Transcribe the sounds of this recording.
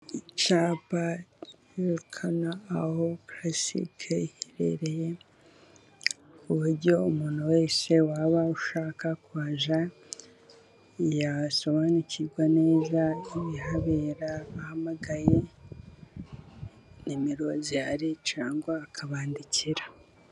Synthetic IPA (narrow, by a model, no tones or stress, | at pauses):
it͡ʃaːpa | oɾkʰanaːhoplasḭkʰehiɾḛɾe̞je | kuβuɾɟo̞umuːn̥huwe̞ːse̞waβauʃaːkakuβaʒa | ijaso̞βaːniciɾɡwane̞ːzaiβiɦaβeɾaːhamaɡaje | nimiɾo̞zijaɾit͡ʃaːŋɡwaːkʰaβaːndiciɾḁ